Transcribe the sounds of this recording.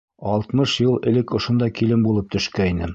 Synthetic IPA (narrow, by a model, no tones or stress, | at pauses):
ɒlˠt̪mɤʃjɤlˠɘ̆lɘkŏʃŏnd̪ɑkilɘmbulˠɤp̚t̪ɵ̆ʃkæinɘ